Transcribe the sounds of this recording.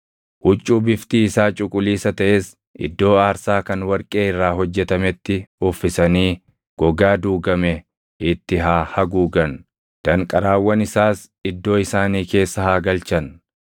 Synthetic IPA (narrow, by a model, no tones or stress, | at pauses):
ʔʊt͡ʃʼːuːbɪft̪iːɪsaːt͡ʃʼʊkʼʊliːsɐt̪ɐʔeːs | ʔɪ̰d̪ːo̞ːaːɾsaːkɐnwɐɾkʼe̞ːɪrːaːɦɔd͡ʒːɛt̪ɐmɛt̪ːɪʊfːɪsɐniː | ɡ̥ɔɡaːd̪uːɡɐmɛ | ɪt̪ːɪɦaːhɐɡuːɡɐn | d̪̥ɐŋkʼɐɾaːwːɐnɪsaːs | ɪd̪ːo̞ːɪsaːniːke̞ːsːɐhaːɡɐlt͡ʃɐn